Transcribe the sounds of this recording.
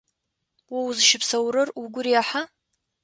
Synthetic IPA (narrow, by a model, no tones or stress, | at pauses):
wawzɨʃɪpʰsɐwɾɨruɡʷʊriaħa